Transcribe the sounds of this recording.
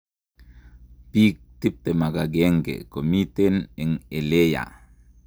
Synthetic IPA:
pik̚t̪ip̚t̪emaɡaɡeŋɡḛkomit̪enɛŋeleja̰

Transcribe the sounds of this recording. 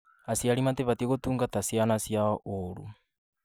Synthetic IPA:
asjaɾimateβatieɣotuːŋɡatasjanasjaɔʔoɾṵ

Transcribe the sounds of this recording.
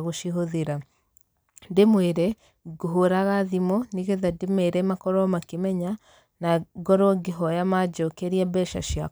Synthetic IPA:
ɣoʃiɦoðeɾa | ndemweɾɛ | ɡoɦoɾaɣaðimɔniɣeðademeɾɛmakɔɾɔmakemɛɲa | naɡɔɾoɡeɦɔjamad͡ʒɔkeɾiabɛʃa̰ʃja

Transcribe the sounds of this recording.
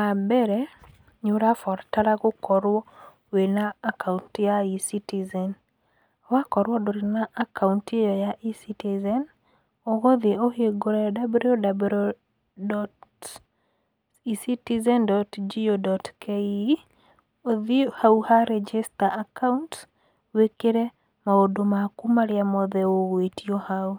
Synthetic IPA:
abɛɾɛ | ɲuɾafɔɾtaɾaɡokɔɾwɔ | wenaːkauntjaisitizɛn | wakɔɾwɔdɔɾinaʔakauntejɔjaʔisitizɛn | oɡoðioheɡoɾɛdabliodabɾo | dɔt | isitizɛndɔtd͡ʒiodɔtkʰe | oðihauhaɾɛd͡ʒistaakaunt | wekeɾɛ | maodomakumaɾeamɔðɛoɣwetiɔhau

